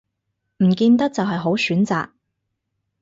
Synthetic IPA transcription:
m̩˨˩kiː˧nt̪ɐ˥k̚t͡sɐ˨wɦɐ˨jɦo˨˥wsyː˨˥nt͡sa̰ː˨k̚

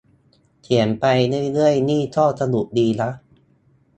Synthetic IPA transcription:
k̪ʰi˩˦ənpa˧jnɯ˥˩˨jlɯ˥˩əjniː˥˩t̪ʰɔː˥˩sa˧nu˨˩k̚diː˧la˦˥ʔ

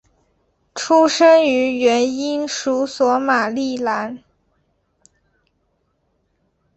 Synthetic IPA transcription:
ʈ͡ʂʰu˥ʂə˥ŋy˧˥ɥɛ˧˥ni˥nʂu˧˥swɔ˧˥ma˨˩li˥˩la˧˥n

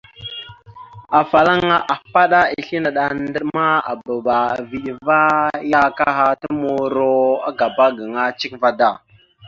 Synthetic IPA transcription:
a˨fa˨la˦ŋa˦ʔa˨fa˦ɗa˦i˨ɬi˦na˨ɗa˨ndə˦ma˦a̰˨bə˨ɓa˨vi˨ɗva˦ja˦ka˦ɦa˦ta˦mo˨ɾo˦a˦ɡa˨ba˦ɡə˨ŋa˦t͡ʃi˦kva˨da˦˨

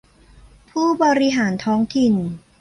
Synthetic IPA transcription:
pʰuː˥˩bɔː˧ɾi˧ɦaː˩˦nt̪ʰɔː˦˥ŋt̪ʰi˨n

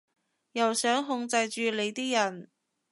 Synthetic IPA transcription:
jɐ˨˩wsœː˨˥ŋɦʊ˧ŋt͡sɐ˧jt͡ʃyː˧le˨˧jt̪iː˥jɐ˨˩n

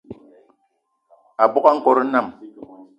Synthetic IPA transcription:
a˨bɔ˦ka˦ŋ̩˦kɔ˨ɾi˦na˦˨m

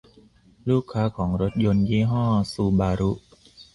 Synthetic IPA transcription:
luː˥˩kʰːaː˦˥kʰɔː˩˦ŋɾo˦˥t̪̚jo˧njiː˥˩ɦɔː˥˩suː˧˩baː˧ɾu˦˥ʔ

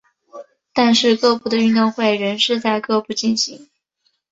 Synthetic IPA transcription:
t̪a˥˧nʂɻ̩˥˧kɤ˥˧pu˥˩d̪ə˩y˥˧nj̪o˥˧ŋxwe˥˩ɪɻə˧˥nʂɻ̩˥˧t͡sa˥˧ɪkɤ˥˧pu˥˩t͡ɕi˥˩nɕi˧˥ŋ

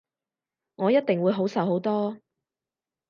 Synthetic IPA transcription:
ŋɔː˨˧jɐ˥t̚t̪ɪ˨ŋwuː˨˧jɦo˨˥wsɐ˨˥wɦo˨˥wt̪ɔː˥

